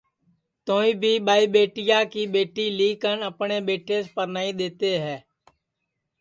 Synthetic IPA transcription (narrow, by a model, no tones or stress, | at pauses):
t̪oːĩːbʱiːbaːiːbeːʈɪjaːkiːbeːʈiːliːkənəpneːbeːʈʰespəɾnaːid̪eːt̪eːɦɛː